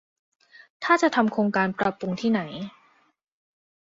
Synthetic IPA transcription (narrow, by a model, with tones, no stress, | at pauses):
t̪ʰaː˥˩t͡ɕa˨˩ʔt̪ʰa˧mkʰɾoː˧ŋkaː˧npɾa˧pɾu˧ŋt̪ʰiː˥˩na˩˦j